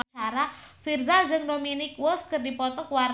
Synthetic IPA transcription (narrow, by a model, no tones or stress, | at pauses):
t͡ʃaɾafirzad͡ʒɨŋdominɪkwəskərdipɔt̪ɔkwar